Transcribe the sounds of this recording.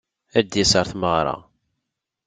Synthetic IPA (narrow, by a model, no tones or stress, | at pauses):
æd̪jæsəɾˤθməʁɾˤɑ̰